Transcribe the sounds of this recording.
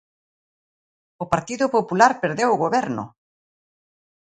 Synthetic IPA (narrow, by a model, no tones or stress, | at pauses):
ʊpaɾt̪iðʊpopulaɾpeɾðewʊɣoβɛɾnʊ̰